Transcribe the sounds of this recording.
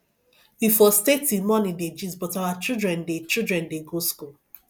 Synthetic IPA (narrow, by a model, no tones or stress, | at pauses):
wifɔstetimɔnĩded͡ʒizbɔtawat͡ʃildɹɛ̃ndet͡ʃildɹɛ̃ndeɡoskul